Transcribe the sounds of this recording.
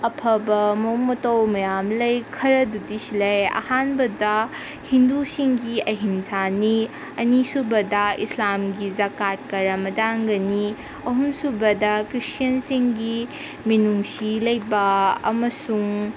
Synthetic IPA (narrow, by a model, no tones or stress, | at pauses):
ɐpʰɐbɐmoŋmɐtɐwmɐjamlɐjkʰɐɾɐdudisilɐjɐ̰hanbɐdɐ | hindusiŋɡiɐɦinzʰani | ɐnisubɐdɐislamɡizakat̚kɐɾɐmɐdaŋɡɐni | ɐɦumsubɐdɐkɾistjɐnsiŋɡi | minuŋsilɐjbɐɐ̰mɐsuŋ